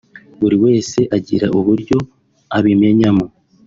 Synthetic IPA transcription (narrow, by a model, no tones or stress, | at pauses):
βuɾiwe̞ːse̞ʔaɟḭɾaʔuβuɾɟo̞ | aβime̞ɲamo